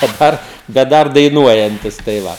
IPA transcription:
dɐˈbɐr bʲɛt ˈdɐr dɐɪˈnuɔjɛnʲtʲɪs tɐɪ ˈʋɐ

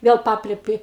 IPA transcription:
ˈʋʲeːlˠ ˈpɑːpʲlʲɛpʲɪ

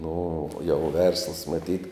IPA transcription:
ˈnʊ jɛʊ ˈʋʲɛrslˠəs mɐˈtʲiːt

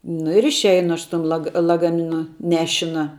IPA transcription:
nʊ ɪr ɪʃʲˈɛɪnʊ ˈɐʃ sʊ ˈtʊm ˈlˠɑːɡɐ lˠɐɡɐˈmʲɪnʊ ˈnʲæːʃʲɪnɐ

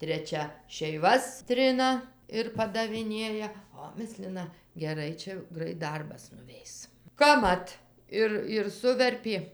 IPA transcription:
tʲrʲɛˈt͡ʃʲɛ ʃʲɛɪˈʋɐs ˈtʲrʲɪnɐ ɪr pɐdɐʋʲɪˈnʲeːjɛ ˈoː ˈmʲɪsʲlʲɪnɐ ɡʲɛˈrɐɪ ˈt͡ʃʲɛ ˈɡrɐɪt ˈdɐrbɐs nʊˈʋʲɛɪs kɐpˈmɐt ˈɪr ɪr ˈsʊʋʲɛrʲpʲeː

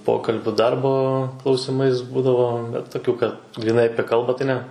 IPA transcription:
ˈpoːkɐlʲbʲʊ ˈdɐrboː klˠɐʊsʲɪˈmɐɪs ˈbuːdɐʋoː bʲɛt toːˈkʲuː kɐt ɡrʲiːˈnɐɪ ˈɑːpʲiɛ ˈkɐlˠbɑː tɐɪ nʲɛ

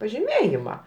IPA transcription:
pɐʒʲɪˈmʲeːjɪmɐ

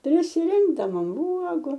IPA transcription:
pʲrʲɪsʲɪˈrʲɪŋɡdɐʋoːm uɔɡʊ

